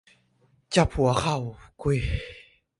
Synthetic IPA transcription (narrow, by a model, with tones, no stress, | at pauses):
t͡ɕa˧˩p̚hu˨˩ɐ˦xa˥˧˩wku˧˩j